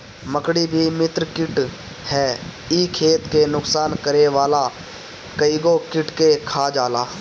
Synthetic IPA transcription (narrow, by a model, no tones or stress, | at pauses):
məkɽibʱimɪt̪ɾkɪʈ | hɛː | ikʰeːt̪kenʊksaːnkəɾeʋaːla | kəiɡokɪʈkekʰaːd͡ʒaːlaː